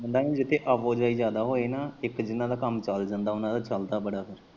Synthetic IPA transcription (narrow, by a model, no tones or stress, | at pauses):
bənd̪aːnĩːd͡ʒɪt̪ʰeːʔəʋoːd͡ʒaːiːzjaːd̪aːɦoːeːnaːɪkd͡ʒɪnãːd̪aːkəmt͡ʃəld͡ʒənd̪aːʊnãːd̪aːt͡ʃəld̪aːbəɽaːpʰɪɾ